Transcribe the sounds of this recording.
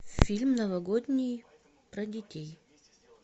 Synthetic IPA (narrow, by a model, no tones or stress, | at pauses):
fʲilʲmnɐvɐɡod̪ʲnʲɪj | pɾɐdʲɪtʲej